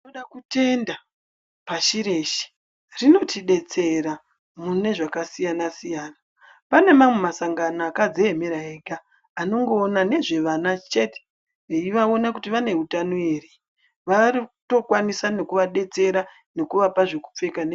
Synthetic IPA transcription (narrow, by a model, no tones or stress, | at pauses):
noɗakute̞nda | paʃiɾe̞ʃi̥ | rino̞tʰiɗe̞t͡se̞ɾa | mune̞ʐakasijanasijaːna | pane̞mamwe̞masaŋɡanaakad͡ze̞emeɾaeɡaː | no̞ŋɡo̞ːnane̞ʐe̞ʋanat͡ʃe̞te̥ | eiʋao̞nakutiʋane̞ɦutanoeri | ʋarito̞kwanisane̞kuʋaɗe̞t͡se̞ɾa | ne̞kuʋapaʐeku̥p͡fe̞kane